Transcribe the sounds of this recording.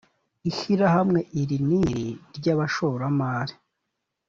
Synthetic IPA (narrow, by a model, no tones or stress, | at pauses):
iʃiɾahamŋe̞ʔiɾiniɾiɾɟaːβaʃoɾamaːɾi